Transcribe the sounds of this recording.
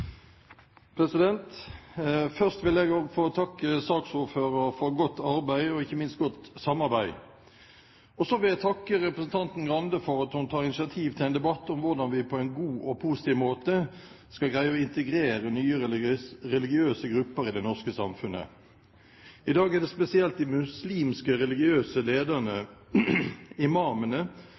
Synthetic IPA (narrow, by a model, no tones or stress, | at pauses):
pʰɾɛsɪd̪ɛnt̪ | fœʁst̪ʋɪlɛɡoɡfoɔt̪ʰɑkːəsɑːksuːføːɾəɾfɔɾɡɔt̪ːɑɾbæɪɔɪçːəmɪnst̪̚ɡɔt̪sɑmːɑɾbæɪ | ɔsɔʋɪlæt̪ʰɑkːəɾɛpɾəsn̩t̪ʰɑnt̪n̩ɡɾɑnd̪əfɔɾɑt̪hʊnt̪ʰɑːʁɪnɪsɪɑt̪ʰiːʋt̪ʰɪlɛnd̪ɛbɑt̪ːʊmʋʊʁd̪ɑnʋɪpʰɔæɪnɡuːʔɔpʰusɪ̥t̪ʰiːʋmoːt̪ə | skɑlɡɾæɪəɔɪnt̪əɡɾeːɾənyːəʁɛlɪɡɪøːsəɡɾʉpːəɾɪd̪ɛnɔʁskəsɑmfʉnə̰ | ɪd̪ɑːɡæːd̪ɛspɛsɪɛlt̪̚d̪ɪmʉsliːmskəɾɛlɪɡɪøːsəleːd̪ənə | ɪmɑːmənə